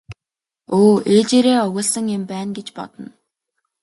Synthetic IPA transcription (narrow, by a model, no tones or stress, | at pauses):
oːeːt͡ɕeːɾeːɔɣʲʊːɮsə̆ŋempæːnɡet͡ɕpɔ̰t̪ə̆n